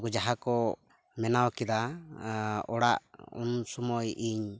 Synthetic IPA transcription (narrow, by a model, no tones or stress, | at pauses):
ɡud͡ʒaɦakɔ | mɛnawkɛd̪a | ɔɽaʔṵnsɔmɔjiɲ